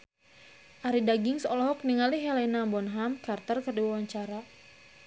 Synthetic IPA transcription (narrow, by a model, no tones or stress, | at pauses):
ʔaɾidaɡɪŋsɔlɔɦɔk̚niŋaliɦɛlɛnabɔnɦamkart̪ərkərdiwawaɲt͡ʃaɾa